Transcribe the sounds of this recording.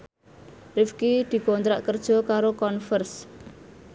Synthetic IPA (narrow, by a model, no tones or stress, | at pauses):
rɪfkid̪̥i̤kont̪ɾaʔkərd̥ʒ̥ɔ̤kaɾokɔnfərs